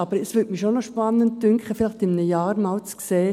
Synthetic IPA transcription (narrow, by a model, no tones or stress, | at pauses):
ɑbəɾəsʋʏtmiʃonoʃpɑnːənt̚dʏŋkχəfɪlɪχtɪmnəjɑːɾmalt͡skseː